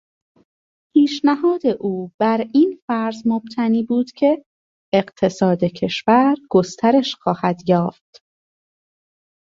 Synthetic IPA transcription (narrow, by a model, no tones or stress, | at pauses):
hiːʃnæhɒːd̪e̞ʔuːb̥æɾiːnfæɾzmob̥t̪ʰæniːbuːd̪̥cʰe̞ː | ɢt̪ʰe̞sɒːd̪e̞cʰe̞ʃvæɾɡ̥ost̪ʰæɾe̞ʃxɒːhæd̪jɒːft̪